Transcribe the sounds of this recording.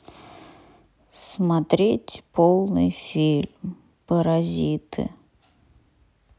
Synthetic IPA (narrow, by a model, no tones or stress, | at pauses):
smat̪ɾʲetʲpolˠnɨ̰jfʲilʲm | pəɾɐzʲit̪ɨ̰